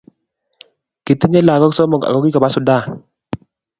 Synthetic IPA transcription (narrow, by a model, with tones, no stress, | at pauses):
ki˨t̪i˦ɲɛ˦la˨kɔ˦ksɔ˦mɔ˨ka̰˨kɔ˦ki˦ka˨ba˨˦sʊ˨˦da˦˨